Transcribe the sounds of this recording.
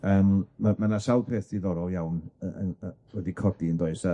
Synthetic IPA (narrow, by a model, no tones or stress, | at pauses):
əːmmamanasawpʰeːθdiðɔɾɔjawnəə̰wɛdikʰɔdiəndoːɨsa